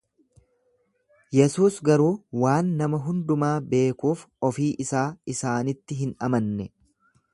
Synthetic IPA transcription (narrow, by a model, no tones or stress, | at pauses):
jɛsuːsɡɐɾuːwaːnːɐmɐɦʊnd̪ʊmaːbe̞ːkuːfɔfiːʔɪsaːɪsaːnɪt̪ːɪɦɪnɐmɐnːɛ